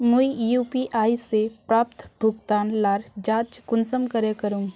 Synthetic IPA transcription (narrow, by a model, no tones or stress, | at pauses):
muijuːpiʔaːiseppɾaːp̚t̪ʰbʱʊɡt̪aːnlaːɾd͡ʒaːt͡ʃkʊnsəmkəɾekɐɾũː